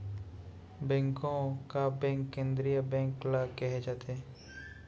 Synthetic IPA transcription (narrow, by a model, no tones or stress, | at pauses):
bɛ̃ːŋkõkabɛ̃ːŋkːẽːnd̪ɾijabɛ̃ːŋklakɛɦed͡ʒaːt̪e